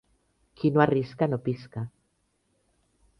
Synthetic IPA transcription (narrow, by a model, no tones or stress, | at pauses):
kʰinoariskanopiska